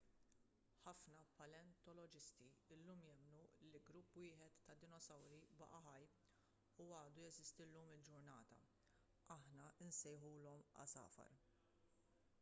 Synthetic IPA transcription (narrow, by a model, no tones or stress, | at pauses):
ħɐfnɐpɐlɛnt̪ɔlɔd͡ʒɪst̪iɪlːuːmjɛmnuliɡɾʊpːwɪːħɛt̪ːɐd̪ɪnɔsɐwɾibɐ̰ʔɐħɐj | uɐːd̪ujɛzɪst̪ilːuːmɪld͡ʒʊɾnɐːt̪ɐ̰ | ɐħnɐɪnsɛjħuːlɔmɐ̰sɐ̰ːfɐ̰ɾ